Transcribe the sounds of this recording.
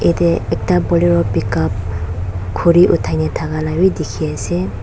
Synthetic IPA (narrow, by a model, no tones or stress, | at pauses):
etɛɛk̚tabɔliɹɔpikap̚ | kʰuɾiʔutʰajnatʰakalawidikʰiasɛ